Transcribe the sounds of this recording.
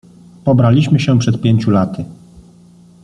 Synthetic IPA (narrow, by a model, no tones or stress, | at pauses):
pɔbɾalʲiɕmɘɕɛpʂɛt̪̚pʲjeɲt͡ɕulat̪ʰɘ